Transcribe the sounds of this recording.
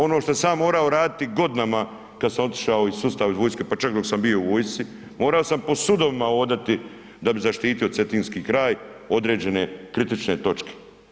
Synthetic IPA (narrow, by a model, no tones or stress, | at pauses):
o̞noʃt̪oesaːmːo̞ːɾao̞ɾaːd̪it̪iɡo̞d̪nama | kad̪samo̞t̪i̥ʃaoisust̪aːʋizʋoːjskepat͡ʃakd̪o̞ksambio̞uʋoːjst̪si | mo̞ːɾao̞sampo̞sud̪o̞ʋimao̞ːd̪at̪i | d̪abizaʃt̪iːt̪io̞t̪se̞t̪iːnskiːkɾaːj | o̞d̪ɾe̞ːd͡ʑe̞ne̞kɾit̪it͡ʃnet̪o̞t͡ʃke̥